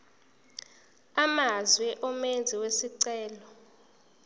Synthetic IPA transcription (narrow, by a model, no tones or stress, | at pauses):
amazwɛʔɔmend͡zʱiwesiǀɛːlɔ